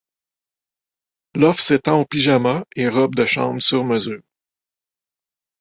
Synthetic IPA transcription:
lɔfset̪ɑ̃opiʒamaeʁɔb̚d̪əʃɑ̰̃ːmsyʁməzyːʁ

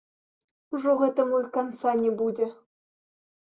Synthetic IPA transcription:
uʐuʁet̪ɘ̆mulʲkɑnt͡sɑnʲebudʲɘ̆

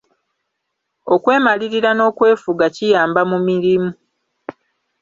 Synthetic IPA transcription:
o̞kwe̞ːmaliɾiɾano̞ːkwe̞ːfuɡacijaːmbamumiɾimu

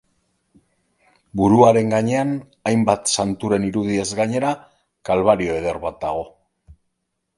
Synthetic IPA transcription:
buɾuaɾe̞ŋɡaɲe̞an | ajmbat̪sant̪uɾe̞niɾuðie̞zɡaɲe̞ɾa | kalβaɾio̞e̞ð̞e̞ɾβat̪̚d̪aɣ̞o̞

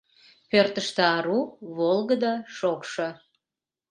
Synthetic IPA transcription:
pørt̪əʃt̪eɑɾuβolɣəd̪ɑʃokʃo

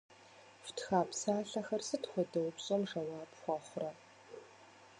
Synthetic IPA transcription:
ftʰxaːpsaːɬɐxɐrsɨtχʷɔdɐwpɕʼɔmʐɐwɑːpχʷɑχʷʊrɐ

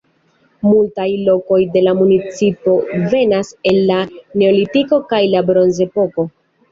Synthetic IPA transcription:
multajlo̞ko̞jde̞lamunit͡sipo̞ve̞nase̞lːane̞o̞litiko̞kajlabɾo̞nze̞po̞ko̞

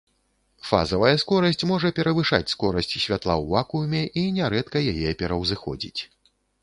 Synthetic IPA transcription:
fa̰zɐvɐjɐskɔɾɐsʲt͡sʲmɔʐɐpʲɛɾɐvɨʂa̰t͡sʲskɔɾɐsʲt͡sʲsʲvʲat̪lˠawvakujmʲɛʔinʲɛɾɛt̪kɐjajɛpʲɛɾɐwzɨxɔ̰d͡zʲḭt͡sʲ

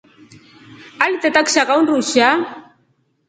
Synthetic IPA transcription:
alit̪et̪akʃaɣawnruʃa

